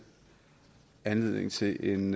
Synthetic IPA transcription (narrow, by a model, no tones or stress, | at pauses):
ænle̝ð̞̰ˠne̝ŋt͡sʰe̝ʔe̝n